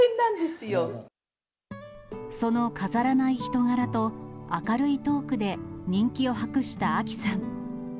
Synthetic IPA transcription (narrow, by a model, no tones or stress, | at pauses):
enːãnd̪e̞sɨjo | so̞no̞kʰazaɾanaiçi̥t̪o̞ŋaɾat̪o̞akaɾɯ̟it̪o̞ːkɯ̟d̪e̞ɲ̟ĩŋkʲio̞ɦakɯ̟ɕi̥t̪aːkʲi̥sãŋ